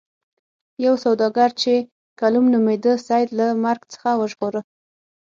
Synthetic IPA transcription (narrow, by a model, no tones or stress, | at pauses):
jawsawd̪ɑɡaɾt͡ʃe | kalumnumed̪əsajd̪lamaɾɡt͡sə̥xawəʒɣoɾə